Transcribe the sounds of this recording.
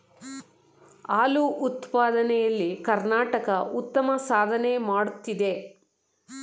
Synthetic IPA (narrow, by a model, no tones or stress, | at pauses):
aːluʔut̪paːd̪ɐnɛjɐlːikɐɾnaːʈɐkɐʔut̪ːɐmɐsaːd̪ʱɐnemaːɽut̪ːid̪e̞